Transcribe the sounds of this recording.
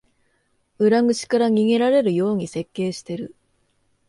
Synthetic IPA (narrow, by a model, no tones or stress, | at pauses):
ɯ̟ɾaŋɡɯ̟ɕi̥kaɾaɲ̟ʲiɡe̞ɾaɾe̞ɾɯ̟jo̞ːɲ̟ise̞kːe̞ːɕi̥t̪e̞ɾɯ̟